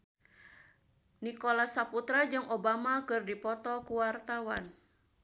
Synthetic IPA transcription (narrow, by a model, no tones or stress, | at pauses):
nikolasaput̪ɾad͡ʒɨŋʔobamakɨrdipɔt̪ɔkuwart̪awan